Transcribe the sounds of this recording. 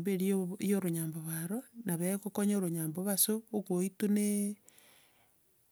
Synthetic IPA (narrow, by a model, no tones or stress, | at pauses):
mbeɾioijoɾoɲaːmboβaɾonaβekokoɲoɾoɲaːmboβasoːɣwoitune